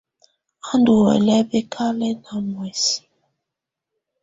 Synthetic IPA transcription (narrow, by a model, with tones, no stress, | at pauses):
a˦ndu˨wɛ̰˨lɛ˦be˦kʰa˦lɛ˦na˨mwɛ˨si̥˨˦